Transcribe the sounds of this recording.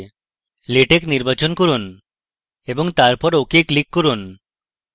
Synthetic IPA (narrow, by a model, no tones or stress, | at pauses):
leʈekniɾbat͡ʃonkɔɾun | ebɔŋt̪aɾpɔɾokeklikːɔɾun